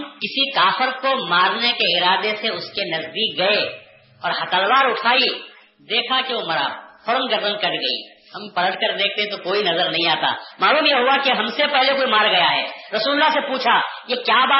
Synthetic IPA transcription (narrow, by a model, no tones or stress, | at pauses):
mkɪsikaːfɪɾkomaːɾnekeɪɾaːd̪eseʊskenɐzd̪iːk̚ɡɐe | ɔːɾhɐt̪əlʋaːɾʊʈʰaːi | d̪eːkʰakeʋomɐɾa̰fɐɾəmɡəɾd̪ənkɐɾɡɐḭː | hɐmpɐlə̃ɖ̪kɐɾd̪eːk̚ʰt̪eɦɛ̃t̪okoːinɐzəɾnɐɦĩaːt̪a̰ːmaːluːmjeɦʊʋakeɦɐmsepɛɦlekoːimaːɾɡɐjaɦɛːɾɐsuːlʊlːasepuːt͡ʃʰajekjaːbaː